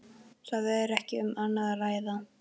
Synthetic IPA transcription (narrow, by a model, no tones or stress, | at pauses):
saðɛɾɛhcɪʏmanːaðaraːjða